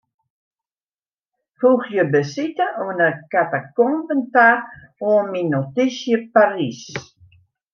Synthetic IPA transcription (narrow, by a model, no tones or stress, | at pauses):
fuxjəbəsitəʔonəkatakɔmpənta | ominotisjəparis